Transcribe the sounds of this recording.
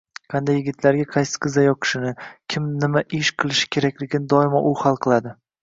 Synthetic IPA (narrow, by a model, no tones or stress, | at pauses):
qʰɑnd̪ajːɪɡʲɪt̪ʰlaɾɡʲaqʰɑjsɨ̥qʰɨzajɒkʲʰɪ̥ʃɪnɪkʲʰɪmnɪmaʔɪʃqʰɨlˠɪʃɪ̥kʲʰe̞ɾakʲlɪɡʲɪnɪd̪ɒɪmaʔʊhɑlˠqʰɨlˠad̪ɪ